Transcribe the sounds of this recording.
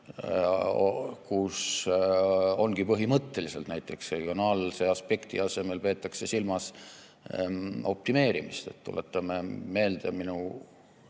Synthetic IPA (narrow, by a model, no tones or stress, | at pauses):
kus | o̞nɡ̥ipɤɦimɤt̪ːe̞lise̞lt̪næjt̪ːˑe̞ksre̞ɡ̥io̞nɑːlse̞ɑspe̞kt̪iɑse̞me̞lpe̞ːt̪ːˑɑkse̞silmɑs | o̞p̚t̪ime̞ːɾimist̪e̞̰t̪t̪ːṵlʔe̞t̪ˑːɑmeme̞ːld̪̥e̞minu